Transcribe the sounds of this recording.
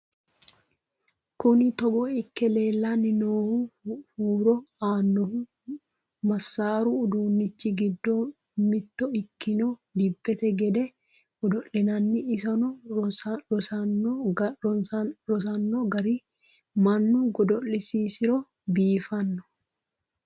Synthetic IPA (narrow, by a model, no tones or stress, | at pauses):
kʊnɪt̪ɔɡɔɪkːɛle̞ːlːanɪnoːhuhuːɾɔaːnːɔhu | mɐsːaːɾuːd̪uːnːɪt͡ʃːɪɡɪd̪ːo | mɪt̪ːɔɪtkːɪnɔd̪ɪbːɛt̪ɛɡɛd̪ɛ | ɡɔd̪ɔʔɛnɐnːɪːsɐnɔ | nː | nɾɔsɐnːɔɡɐɾiː | mɐnːuɡɔd̪ɔʔːɪsiːsɪɾɔ | biːfɐnːɔ̥